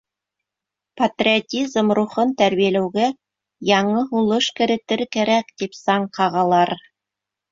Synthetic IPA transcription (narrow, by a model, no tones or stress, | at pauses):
pɐt̪rʲiot̪ʲizmruχɤnt̪æɾβijælæwɡæ | jɑɴɤɦulˠɤʃkɘ̆ɾɘ̆t̪ɘɾkæɾækt̪ipsɑɴqɑʁɑlˠɑɾ